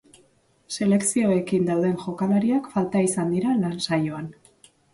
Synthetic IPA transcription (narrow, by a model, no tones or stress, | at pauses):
se̞le̞ksio̞e̞kind̪awðe̞nʝo̞kalaɾiakfalt̪aisand̪iɾalansajoan